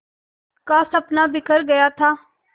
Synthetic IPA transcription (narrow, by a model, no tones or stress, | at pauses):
kãːsəpnaːbɪkʰəɾɡəjaːt̪ʰaː